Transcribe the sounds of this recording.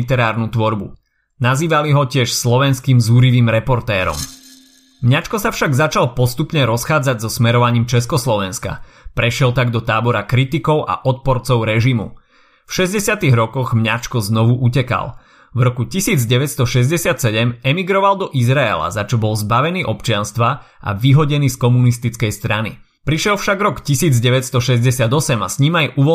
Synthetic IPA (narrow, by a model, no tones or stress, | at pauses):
it̪ɛɾaːɾnut̪ʋɔɾbṵ | naziːʋaliɦɔcɪɛʃslɔʋɛnskiːmzuɾiʋiːmɾɛpɔɾt̪ɛːɾɔ̰m | mɲat͡ʃkɔsafʃaɡzat͡ʃalˠpɔst̪upɲɛɾɔsxaːd͡zaɟzɔsmɛɾɔʋaɲiːmt͡ʃɛskɔslɔʋɛnska̰ | pɾɛʃɪɛlt̪aɡd̪ɔt̪aːbɔɾakɾit̪ikɔʊʔa̰ʔɔt̪̚pɔɾt͡sɔʊɾɛʒimṵ | fʃɛzɟɛsɪat̪iɣɾɔkɔɣmɲat͡ʃkɔznɔʋuʔucɛka̰l | vɾɔkucisiːd͡zɟɛʋɛt̪st̪ɔʃɛzɟɛsɪat̪sɛɟɛmɛmiɡɾɔʋald̪ɔʔizɾaɛ̰la̰zat͡ʃɔbɔlzbaʋɛniːʔɔpt͡ʃɪanst̪ʋa | ʔa̰ʋiɦɔɟɛniːskɔmunist̪it͡skɛjst̪ɾanḭ | pɾiʃɪɛlfʃaɡɾɔkcisiːd͡zɟɛʋɛt̪st̪ɔʃɛzɟɛsɪad̪ɔsɛmasɲimajuʋɔ